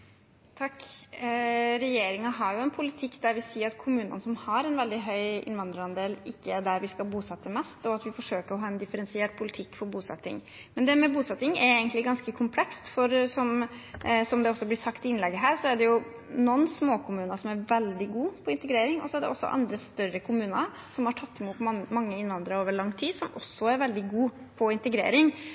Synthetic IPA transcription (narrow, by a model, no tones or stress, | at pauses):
t̪ʰɑkː | ɾɛjeːɾɪŋɑɦɑɾjʊɛnpʰʊlɪt̪ʰɪkːd̪æɾʋɪsiːɾɑt̪kʰʊmʉːnə̰nəsɔmhɑɾɛnʋɛld̪ɪɦœʏɪ̰nʋɑnd̪ɾəɾɑnd̪eːlɪkːəæɖæɾʋɪskɑlbuːsɑt̪ːəmɛst̪ɔɑt̪ʋɪfɔʂøːkəɾɔɦɑːɛnd̪ɪfəɾɛnsɪɛːʈ̚pʰʊlɪt̪ʰɪkːfɔɾbuːsɛ̰t̪ːɪ̰ŋ | mɛnd̪ɛmɛbuːsɛt̪ːɪŋɛɾeɪɡənt̪lɪɡɑnskəkʰʊmpʰlɛkst̪fɔɾsɔm | sɔmd̪ɛɔsːɔblɪsɑkt̪ɪɪnlɛɡːəɦæːɾsɔæɖɛjʊ | nɔnːsmoːkʰʊmʉːnɑsɔmæɾʋɛld̪ɪɡuːpʰɔɪnt̪əɡɾeːɾɪŋɔ̰sɔæɖɛ̰ʔɔsːɔ̰ʔɑ̰nd̪ɾəst̪œɾəkʰʊmʉːnə̰ | sɔmhɑʈʰɑt̪ʰːɛmuːt̪mɑmɑŋːəɪnːʋɑnd̪ɾəoːʋəɭɑŋːt̪ʰiːd̪sɔmʔɔsːɔæɾʋɛld̪ɪɡuː | pʰɔɪnt̪əɡɾḛːɾɪŋ